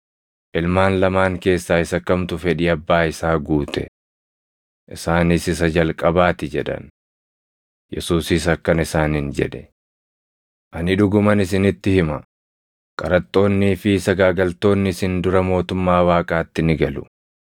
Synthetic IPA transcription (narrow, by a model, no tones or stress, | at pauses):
ʔɪlmaːnlɐmaːŋke̞ːsːaːɪsɐkːɐmt̪ʊfɛᶑɪɐbːaːɪsaːɡuːt̪ʰɛ̰ | ʔɪ̰saːnɪsɪs̬ɐd͡ʒɐlkʼɐbaːt̪ɪd͡ʒɛᶑɐ̰n | jɛ̰suːsiːsɐkːɐnɪsaːnɪnd͡ʒɛ̰ᶑɛ̥ | ʔɐnɪᶑʊɡʊmɐnɪsɪnɪt̪ːɪhɪmɐ | kʼɐɾɐt̪ʼːo̞ːnːiːfɪsɐɡaːɡɐlt̪o̞ːnːɪsɪnd̪ʊɾɐmo̞ːt̪ʊmːaːwaːkʼaːt̪ːɪnɪɡɐlʊ̰